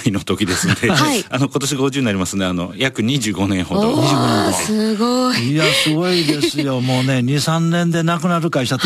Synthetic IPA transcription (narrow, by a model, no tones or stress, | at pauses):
ino̞t̪o̞kʲid̪e̞sɨnod̪eaiano̞ko̞t̪o̞ɕ̬iɡoʑɨːinaɾʲimasɨnd̪eano̞̰jakɯ̟ɲ̟iʑɨːɡo̞nẽ̞ɰ̃ɦod̪oɲiʑɨːɡoeoɨɡoiiasɨɡo̞id̪e̞sɨjo̞mo̞ːne̞ɲ̟isãnːẽ̞nd̪e̞nakɯ̟naɾɯ̟kait̪at̪